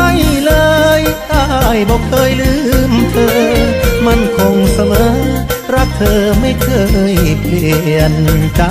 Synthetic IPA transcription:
a˥˩jlɤː˧jt̪aː˧˩jbɔː˧˩kʰɤː˧jlɯː˧˥˩mt̪ʰɤː˧ma˧˥˨nkʰo˧ŋsa˧mɤː˧˦ | ɾa˦˥p̚t̪ʰɤː˧ma˥˩jkʰɤː˧˩jpli˧˩˧ənt͡ɕa˧

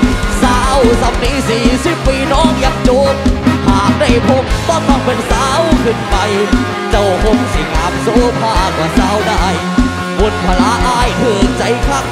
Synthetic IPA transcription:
saː˨˦wsa˨˧˥p̚niː˧˥siː˨˩si˧˩pːiː˧˩nɔː˧˥˨ŋja˧˩ŋ̚t͡ɕoː˧˥k̚pʰaː˨˩m̚da˧˩jpʰo˧˥k̚t̪ɔː˧˥˩ŋmaː˧˩ŋpe˧nsaː˦wkʰɯ˧˩npa˧j | t͡ɕa˧˩who˧˥ksi˨˧˩ŋaː˨˦˥m̚soː˧˥pʰaː˧˩kwaː˧˩saː˧˥wdaː˧˩j | bo˨˧˩n̚pʰa˧laː˧˥ʔaː˧˥˩jt̪ʰɯ˧˩əŋt͡ɕa˧jkʰa˧˩k̚

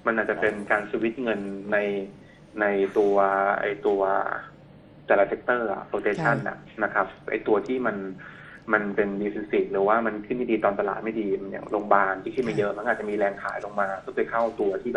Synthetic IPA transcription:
ma˧nʔaː˨˩t̪̚t͡ɕa˨˩pe˧nkaː˧nsʰiː˧wi˦˥t̪̚ŋɤ˧nːa˧j | na˧jt̪u˧ɐʔa̰˧˩jt̪u˧ɐ | t̪ɛː˧laː˧t̪ʰe˦k̚t̪ɤː˥˩a̰˨˩poː˧t̪eː˧t͡ɕʰa˥˩na̰˨˩ | na˦˥kʰa˦˥p̚ʔa̰˧jt̪u˧ɐt̪ʰiː˥˩ma˧n | ma˧npe˧nbiː˧si˧si˨˩t̪̚ɾɯː˩˦waː˥˩ma˧nkʰɯ˥˩nma˥˩diː˧t̪ɔː˧nt̪a˧la̰ː˨˩t̪̚ma˥˩jdiː˧nḭ˦˩loː˧ŋbaː˧nt̪ʰiː˥˩kʰɯ˥˩ma˥˩jɤ˦˥ma˧˥nʔːt̪̚t͡ɕa˨ʔmiː˧lɛː˧ŋkʰaː˨˩˦jlo˧ŋmaː˧kɔ˥˩pʰɤː˧jkʰa˥˩wt̪u˧ɐt̪ʰiː˥˩b

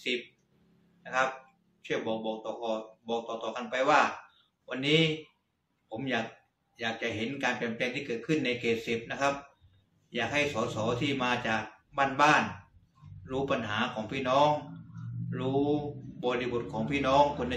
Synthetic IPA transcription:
si˨˩p̚ | na˦˧˥kʰa˦˥p̚ | t͡ɕʰɯ˥˩əbɔː˨˩k̚bɔː˨˩k̚t̪ɔː˨˩kɔː˧˩bɔː˨˩k̚t̪ɔː˨˩t̪ɔː˨˩ka˧npa˧jwaː˥˩ | wa˧nːiː˦˥ | pʰo˩˦mjaː˨˩k̚ | jaː˨˩k̚t͡ɕa˨˩˨ɦe˩˦nkaː˧npɛ˨˩nplɛː˧ŋt̪ʰiː˥˩kɤː˨˩t̪̚kʰɯ˥˩nːa˧jkeː˨˩t̪̚si˨˩p̚na˦˥kʰa˦˥p̚ | jaː˨˩k̚ha˥˩jsɔː˨˦sɔː˩˦t̪ʰiː˥˩maː˧t͡ɕaː˨˩k̚ | baː˥˩nbaː˥˩n | ɾuː˦˥pa˧nɦaː˩˦kʰɔː˩˦ŋpʰiː˥˩nɔː˦˥˩ŋ | ɾuː˦˥bɔː˧li˧˩bo˨˩t̪̚kʰɔː˩˦ŋpʰiː˥˩nɔː˦˥˩ŋkʰo˧nː˧

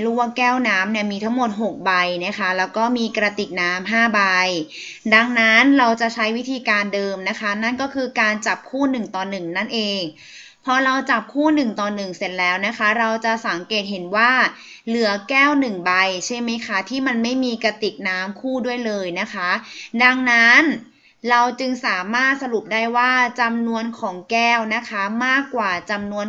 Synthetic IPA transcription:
ɾu˦˥˩a˧˥˩kɛː˥˩wnaː˦˥mni˥˩ɐmiː˧t̪ʰa˦˥ŋmo˨˩t̪̚ɦo˨˩k̚ba˧jna˦˥xʰa˦˥lɛː˦˥wkɔː˥˩miː˧kɾa˧t̪i˨˩k̚naː˦˥mɦaː˥˩ba˧j | da˧ŋna˦˥nɾa˧wt͡ɕa˨˩t͡ɕʰa˦˥jwi˦˥t̪ʰiː˧kaː˧ndɤː˧mna˦˥kʰa˦˥na˥˩nkɔː˥˩kʰɯː˧kaː˧nt͡ɕa˨˩p̚kʰuː˥˩nɯ˨˩ŋt̪ɔː˨˩nːɯ˨˩ŋna˥˩nʔeː˧ŋ | pʰɔː˧ɾa˧wt͡ɕa˨˩p̚kʰuː˥˩nɯ˨˩ŋt̪ɔː˨˩nːɯ˨˩ŋse˨˩t̪̚lɛː˦˥wna˦˥kʰa˦˥ɾa˧wt͡ɕa˨˩sa˩˦ŋkeː˨˩t̪̚ɦe˨˩˦nwaː˥˩ | lɯ˩˦ɐkɛː˥˩wnɯ˨˩ŋba˧jt͡ɕʰa˥˩ma˦˥jkʰa˦˥t̪ʰiː˥˩ma˧nma˥˩jmiː˧ka˧t̪i˨˩k̚naː˦˥mkʰuː˥˩du˥˩əjlɤː˧jna˦˥kʰa˦˥da˧ŋna˦˥n | ɾa˧wt͡ɕɯ˧ŋsaː˩˦maː˥˩t̪̚sa˧ɾu˨˩p̚daː˥˩jwaː˥˩t͡ɕa˧mnu˧ənkʰɔː˩˦ŋkɛː˥˩wna˦˥kʰa˦˥maː˥˩kːwaː˨˩t͡ɕa˧mnu˧ən

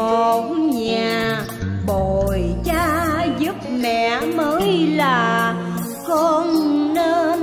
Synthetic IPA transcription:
ɔ˨˩˨kɲaː˨˩ | ɓo˧˨jt͡ɕaː˧zɨ˦˥p̚mɛ̰˧˨məː˨˦jlaː˨˩ | kɔ˧nnəː˧˦

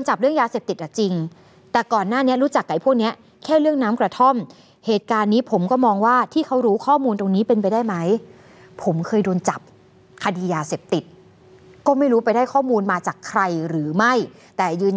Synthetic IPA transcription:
nt͡ɕa˨˩p̚ɾɯ˥˩əŋjaː˧seː˨˩p̚t̪i˨˩t̪ʔa˨˩t͡ɕi˧ŋ | t̪ɛː˨˩kɔː˨˩nːaː˥˩ni˦˥ɐɾuː˦˥t͡ɕa˨˩kːa˨˩jpʰu˥˩k̚ni˦˥ɐ | kʰɛː˥˩ɾɯ˥˩əŋnaː˦˥mkɾa˧t̪ʰo˥˩m | heː˨˩t̪̚kaː˧nːiː˦˥pʰo˩˦mkɔː˥˩mɔː˧ŋwaː˥˩t̪ʰiː˥˩kʰa˦˥wɾuː˦˥kʰɔː˥˩muː˧nt̪o˧ŋniː˦˥pe˧np̬a˧jdaː˥˩jma˦˥j | pʰo˩˦mkʰɤː˧jdoː˧nt͡ɕa˨˩p̚ | kʰa˧diː˧jaː˧seː˨˩p̚t̪i˨˩t̪̚ | kɔː˥˩ma˥˩jɾuː˦˥pa˧jda˥˩jkʰɔː˥˩muː˧nmaː˧t͡ɕaː˨˩kʰɾa˧jɾɯː˩˦ma˥˩j | t̪ɛː˨˩jɯː˧n

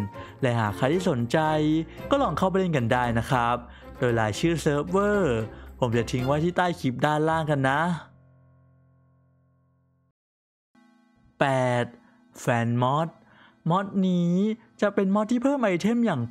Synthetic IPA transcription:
lɛː˨˦˥ɦaː˨˩kʰa˧jt̪ʰiː˥˩so˩˦nt͡ɕa˧jkɔː˥˩lɔː˧ŋkʰa˥˩wp̬a˧le˧˥˧nka˧ndaː˥˩jna˦˥kʰɾa˦˥p̚doː˧jla̰ː˩˦jt͡ɕʰɯː˥˩sɤː˦˥p̚wɤː˥˩pʰo˩˦mt͡ɕa˨˩t̪ʰi˧ŋwaː˦˥˩t̪ʰiː˥˩t̪aː˥˩jkʰi˦˥p̚daː˥˩nlaː˥˩ŋka˧nːa˦˥ | pɛː˨˩t̪̚ | fɛː˨˩nmɔ˦˥t̪̚ | mɔ˦˥t̪̚niː˦˥ | t͡ɕa˨˩pe˧nmɔ˦˥t̪ʰːiː˥˩pʰɤː˥˩mʔa˧jt̪ʰe˥˩mjaː˨˩ŋ

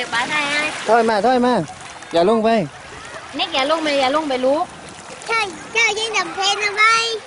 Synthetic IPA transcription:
ba˧˩t̪ʰa˧˩ja˧˥˩t̪ʰɔ˧˥˩jmaː˧˩t̪ʰɔː˧˥˩jmaː˧˥˩ | jaː˨˩lo˧˥˩ŋpa˧˩j | ne˧˥k̚jaː˨˩lo˧˥˨ŋpa˧˩jaː˨˩lo˧˥˨ŋp̬a˨jluː˦˥ | t͡ɕʰa˧˥˩j | t͡ɕʰa˧˥˩ji˧˥˩ŋta˨˩mpʰe˧˥na˧ma˧˥˩j

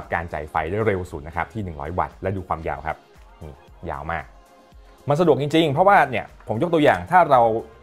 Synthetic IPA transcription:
p̚kaː˧nt͡ɕa̰˨˩jfa˧jda˥˩˨jɾe˧wsuː˨˩t̪̚na˦˥kʰa˦˥pt̪ʰiː˥˩nɯ˨˩ŋɾɔ̰ː˦˥jwa̰˨˩t̪̚lɛ˦˥duː˧kʰwaː˧mja̰ː˧wkʰa˦˥p̚ | ʔɯː˨˩ | ja̰ː˧wmaː˥˩k̚ | ma˧nsa˧du˨ək̚t͡ɕi˧ŋt͡ɕi˧ŋpʰɾɔ˦˥waː˥˩ni˥˩ɐpʰo˩˦mjo˦˥kt̪ːjaː˨˩ŋt̪ʰaː˥˩ɾa˧w

